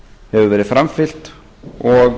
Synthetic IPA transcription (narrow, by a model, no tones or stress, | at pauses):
hɛvʏvɛːɾɪðfɾamfɪl̥t̪ | ɔɣ